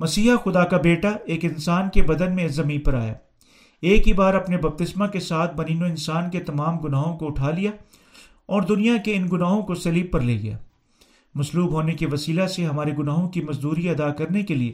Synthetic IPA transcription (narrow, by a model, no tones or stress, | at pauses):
mɐsiːxʊd̪akabeːʈaeːkɪnsaːnkebɐd̪ənmẽzɐmĩːnpɐɾa̰ːja̰ː | eːkɦiːbaːɾɐpnebɐb̚t̪ɪsmakesaːt̪̚ʰbɐniːnõɪ̃nsaːnket̪ɐmaːmɡʊnaːɦõkoʊʈʰaːlija | ɔːɾd̪ʊnijakeɪnɡʊnaːɦõkosɐliːb̚pɐɾleːɡɐja̰ː | mɐsluːbɦoːnekiʋɐsiːlaseɦɐmaːɾeɡʊnaːɦõkimɐzd̪uːɾiɐd̪aːkɐɾnekelie